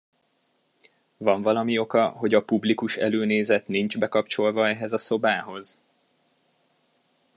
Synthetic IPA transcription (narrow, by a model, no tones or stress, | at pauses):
vɒɱvɒlɒmio̞kɒɦo̞ɟɒpublikuʃɛ̰løːneːzɛt̪nind͡ʒbɛkɒpt͡ʃo̞lvɒɛɦɛzɒso̞baːɦo̞z